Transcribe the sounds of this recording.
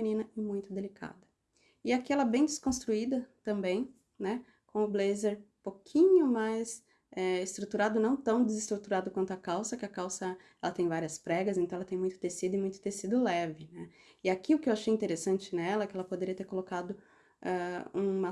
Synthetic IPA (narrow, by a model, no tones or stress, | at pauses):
nĩnɐɪmũj̃t̪ʊd̪elikʰa̰d̪ɐ | ɪakiɛlɛbẽj̃d͡ʒ̪ɪskõst̪ɾuid̪ɐt̪ɐ̃mbẽj̃ | nɛ | kõʊblezeɾpokʰĩɲʊmajs | ɛɪst̪ɾut̪uɾad̪ʊnɐ̃w̃t̪ɐ̃w̃d͡ʒ̪ɪzɪst̪ɾut̪uɾad̪ʊkwɐ̃nt̪ʊakawsɐkɪakawsɐ | ɛlɐt̪ẽj̃vaɾiɐspɾɛɡɐszẽnɐ̃ɛɐt̪ẽj̃ũj̃t̪ʊt̪esid̪ʊɪmũj̃t̪ʊ̥t̪eɾsid̪ʊlɛvɪnɛ | ɪakiʊkɪewaʃejĩnt̪eɾesɐ̃nt͡ʃɪnɛlɐɛkɪɛlɐpod̪eɾiɐt̪eɾkolokad̪ʊ | ɛũmɐ